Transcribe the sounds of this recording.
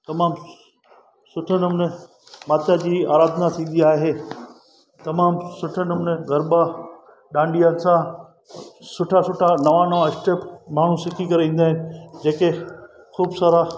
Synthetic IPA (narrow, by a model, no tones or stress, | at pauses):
t̪ɐmaːm | sʊʈʰənɪmn | maːt̪ʰjad͡ʑiːaːɾaːd̪ʱnat̪ʰĩːn̆d̪iaːɦeː | t̪ɐmaːmsʊʈʰənmnɣɐɾba | ɗãːɳɖijanɪ̆sã | sʊʈʰasʊʈʰanɐʋanɐʋaɪsʈeːpmaːɽ̤̃ũsɪkʰikɐɾeʋĩːn̆d̪aːɦɪnɪ̆d͡ʑeːke | xuːbsaːɾa